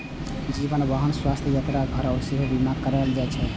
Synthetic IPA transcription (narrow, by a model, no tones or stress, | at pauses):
d͡ʒibənbəɦənswast̪ʰjəjat̪ɾaɡʱəɾaosiɦobimakəɾald͡ʒat͡ʃʰɛ